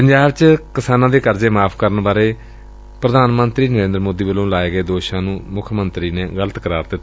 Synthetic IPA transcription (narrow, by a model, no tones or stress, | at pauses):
pəɲd͡ʒaːbt͡ʃkɪsaːnãːd̪eːkəɾd͡ʒeːmaːpʰkəɾənbaːɾeː | pɾəd̪ʱaːnmənt̪ɾiːnəɾẽːnd̪əɾmoːd̪iːbəlõːlaːeːɡəeːd̪oːʃãːnũːmʊkʰmənt̪ɾiːneːɡələt̪kəɾaːɾd̪ɪt̪ː